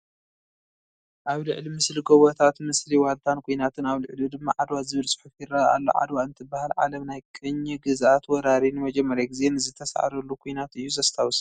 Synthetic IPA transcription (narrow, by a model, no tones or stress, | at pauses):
ʔaβlɨʕlimɨsliɡoβot̪ʰat̪mɨsliwalt̪ʰankʰojnat̪ʰɨnaβlɨʕlid̪ɨmːaʕad̪wazɨβɨlsʼɨ̥ħufjiraa̰lːo̰ʕa̰d̪waɨnt̪ʰɨbahalʕa̰lɐmnajkʼɨɲːɛɡɨzʔat̪wɔɾaɾinmɐd͡ʒɛmːɐɾjaɡɨze̞nɨzɨt̪ʰɐsʔa̰ɾɐlːukʰojnat̪ɨjːuzɐst̪ʰawus